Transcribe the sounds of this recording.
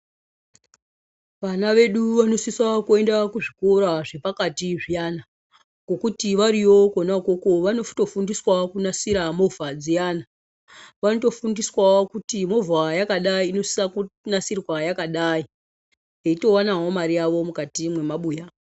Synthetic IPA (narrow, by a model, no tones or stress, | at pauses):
ʋanaʋe̞ɗuʋano̞siswakue̞ndakuʐikoɾaʐe̞pakatiʐijana | ɡo̞kutiʋaɾiwo̞konako̞ko̞ʋano̞fto̞fundiswakunasiɾamo̞vʱad͡zijana | ʋanoto̞fundiswaokutimo̞vʱajakaɗaiːno̞si̥sakunasirwajakaɗai | ɦeito̞wanaɦo̞maɾijaʋo̞mukatimwe̞maɓuːja